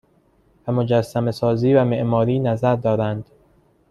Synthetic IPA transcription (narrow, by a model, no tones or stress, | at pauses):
væmod͡ʒæsːæmesɒːziːvæme̞ʔmɒːɾiːnæzæɾd̪ɒːɾænd̪̥